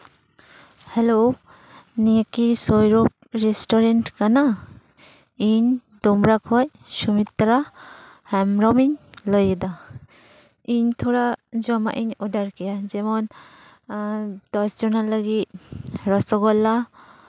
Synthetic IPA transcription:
hɛlo | nijakisɔjɾɔp̚ | ɾɛstɔɾentkana | iɲ | d̪ɔmɾakʰɔj | sumit̪ːɾa | hɛmɾɔmiɲlɔjɛd̪a | iɲt̪ʰɔɾad͡ʒɔma̰ʔinɔdaɾkijad͡ʒɛmɔn | d̥ɔɾstɔnalːaɡit̚ɾɔsɔɡɔlːa

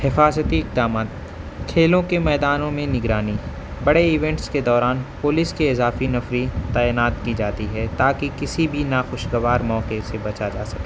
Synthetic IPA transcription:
hɪfaːzət̪iɪq̚d̪aːmaːt̪ | kʰeːlõkemɛːd̪aːnõmẽnɪɡɾaːni | bɐɽeɪʋɛ̃ɳʈsked̪ɔːɾaːnpʊlɪskeɪzaːfinɐfɾit̪aːjɪnaːt̪kid͡ʒaːt̪iɦɛt̪aːkikɪsibʱinaxʊʃɡɐʋaːɾmɔːqesebɐt͡ʃad͡ʒaːsɐkː

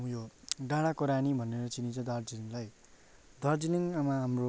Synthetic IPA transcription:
joɖãɽakoɾanibʱʌneɾʌt͡sinĩt͡sʰʌd̪ʌrd͡ziniŋlaj | d̪ʌrd͡ziniŋamaɦamro

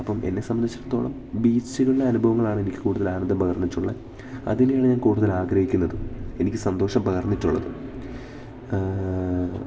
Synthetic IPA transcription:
ɐpːɐme̞̰nːe̞sɐmbɐnd̪it͡ɕːɐɾɐt̪ːo̞ːɭɐm | biːt͡ɕːuɣɐɭiɽeɐnubʱɐʋɐŋːɐɭaːɳɨe̞nikʲːɨ̥kuːɽuðɐlaːnɐnd̪ɐmbpɐɣɐrnːitːuɭːɐ | ɐ̰ðenejaːɳɨɲaːnkuːɽuðɐlaːɡɾɐhikʲːunːɐðɨe̞nikʲːɨsɐnd̪o̞ːʂɐmbɐɣɐrnːitːuɭːɐðɨ

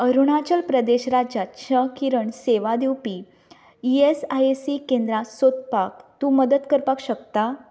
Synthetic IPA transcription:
əɾuɳ̃at͡ɕəlpɾəd̪eɕɾad͡ʑat̪t͡ɕʰəkiɾəɳseʋad̪iwpi | iesajesikend̪ɾasot̪̚pak̚t̪uːməd̪ət̪kəɾpakɕəkt̪a

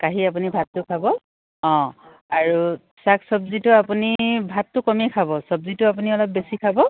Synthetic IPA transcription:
kaɦiapunibʱatːʊkʰabɔ | ɔ̃ | aɹu | saksɔbzitʊapunibʱatːʊkɔmɛkʰabɔsɔbzitʊap̬uniɔlɔp̚besikʰabɔ

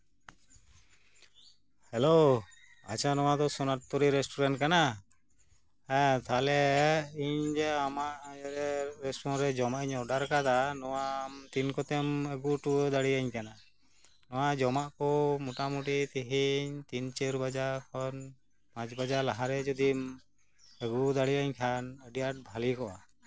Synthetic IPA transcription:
hɛlo | a̰t͡ʃanɔwad̪ɔsɔnaʈ̚t̪ɔɾiɾɛsʈɔɾaɳʈkana | ɛt̪alɛiɲd͡ʒɛamaʔɾɛɾɛsʈɔɔ̃nɾɛd͡ʒɔmaʔiɲɔɖaɾkad̪anɔwamt̪inkɔt̪ɛməɡuʈuəd̪aɽiaɲkana | nɔwad͡ʒɔmaʔkɔmuʈamuʈit̪iɦiɲt̪int͡ʃeɾbad͡ʒakʰɔn | pãt͡ʃbad͡ʒalaɦaɾɛd͡ʒɔd̪im | əɡud̪aɽiaɲkʰanəɖiaʈ̚bʱalikɔʔa

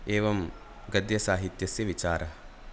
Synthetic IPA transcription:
eːʋɐm | ɡɐd̪jɐsaːɦit̪jɐsjɐʋit͡ʃaːɾɐɦɐ

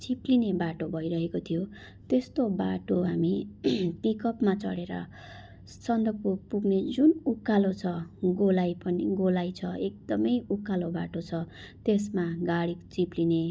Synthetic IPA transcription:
t͡siplinebaʈobʱʌjɾʌɦekot̪ʰijo | t̪est̪obaʈoɦamipikʌpmat͡sʌ̰ɽeɾʌ̰ | sʌnd̪ʱʌpuɡ̚puɡned͡zunukːalot͡sʰʌɡolajpʌniɡolajt͡sʰʌek̚d̪̥ʌmʌjukːalobaʈot͡sʰʌt̪esmaɡaɽikt͡sipline

